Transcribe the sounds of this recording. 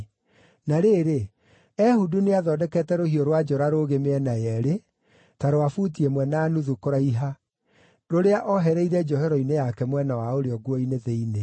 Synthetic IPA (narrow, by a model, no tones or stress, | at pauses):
naɾeːɾe | ɛhuduneaðɔdɛkɛtɛɾohiɔɾwad͡ʒɔɾaɾoɣemeɛnajɛɾe | taɾoafutiemwɛnaːnuðukoɾaiɦa | ɾoɾeaʔɔɦɛɾɛiɾɛd͡ʒɔhɛɾɔinejakɛmwɛnawaoɾeɔɡwɔineðeine